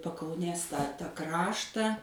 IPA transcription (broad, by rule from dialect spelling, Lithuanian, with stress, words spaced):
pɐkɐʊˈnʲeːs tɑː ˈkrɑːʃtɑː